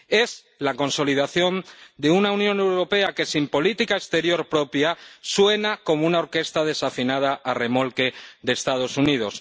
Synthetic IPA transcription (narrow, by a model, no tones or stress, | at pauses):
e̞s | lako̞nso̞lið̞aθjo̞nd̪e̞unaunjõ̞ne̞wɾo̞pe̞ake̞simpo̞lit̪ikaest̪e̞ɾjo̞ɾpɾo̞pjaswe̞nako̞mounaoɾke̞st̪að̞e̞safinað̞aʔare̞mo̞lke̞ðe̞ːst̪að̞o̞sunið̞o̞s